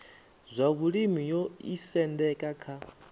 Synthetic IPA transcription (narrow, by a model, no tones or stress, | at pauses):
zʷaβuɺimijoisɛndɛkʼakʰa